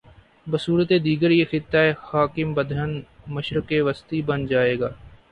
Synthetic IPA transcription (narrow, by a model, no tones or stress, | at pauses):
bəsuːɾət̪ed̪iːɡəɾjexɪt̪ːaːɦɛːhaːkɪmbəd̪ʱənməʃɾəkeʋəst̪iːbənd͡ʒaːeːɡaː